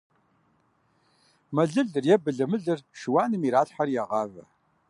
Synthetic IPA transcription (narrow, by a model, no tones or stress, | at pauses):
mɐɮɨɮɨrjɛbɨɮɐmɨɮɨrʃɨwaːnɨmiɾaːɬħarjaʁɑvɐ̰